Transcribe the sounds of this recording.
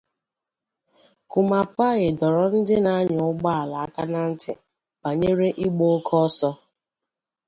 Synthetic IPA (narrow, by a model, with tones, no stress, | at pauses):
kʊ˨ma˨pa˦ɣɪ˨dɔ˨ɾɔ˨n̩˦dɪ˦na˦ɲɔ˨ʊ˦ɡ͡ba˦a˨la˨a˦ka˦na˦n̩˦tɪ̰˨ | pa˨ɲe˦ɾe˦ʔi˦ɡ͡bo˦kʰɔ˦sɔ˦